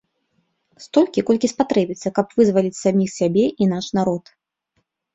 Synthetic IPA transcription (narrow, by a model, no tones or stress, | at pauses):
st̪ɔlʲkʲikɔlʲkʲispat̪ɾɛbʲit̪sːɐkɐpvɨzvɐlʲit͡sʲsamʲixsʲabʲɛʔinaʂnaɾɔt̪